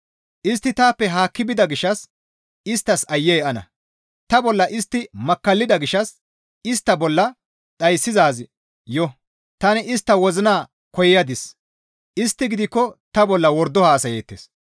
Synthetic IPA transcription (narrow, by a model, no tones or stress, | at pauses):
ʔɪst̪ːɪt̪aːpːɛɦaːkːɪbɪd̪ɐɡɪʃːɐs | ɪst̪ːɐsɐjːɛjɛʔɐnɐ̰ | t̪ɐbɔlːɐʔɪst̪ːɪmɐkːɐlːɪd̪ɐɡɪʃːɐs | ɪst̪ːɐbɔlːɐ | t͡sʼɐjsːɪzaːz | jɔ | t̪ɐnɪɪst̪ːɐwɔzɪnaː | kɔjjɐd̪ɪs | ʔɪst̪ːɪɡɪd̪ɪkːɔt̪ɐbɔlːɐwɔɾd̪ɔhaːsɐjeːt̪ːḛːs